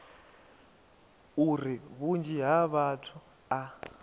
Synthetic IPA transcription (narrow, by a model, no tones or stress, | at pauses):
uɾiβund͡ʒiɦaβatʰu | a